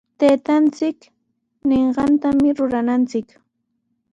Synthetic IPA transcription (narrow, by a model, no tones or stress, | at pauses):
t̪ejt̪ant͡sɪk | neɴɢɑnt̪amɪɾʊɾanant͡sɪk